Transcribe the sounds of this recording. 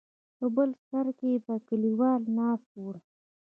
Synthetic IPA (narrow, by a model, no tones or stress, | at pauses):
pəbəlsaɾkebakəliwɑlnɑːstoɽa